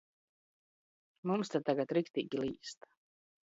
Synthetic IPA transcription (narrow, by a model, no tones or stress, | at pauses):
mumst̪at̪ːaɡat̪ɾikt̪iːɡʲiliːst̪ḁ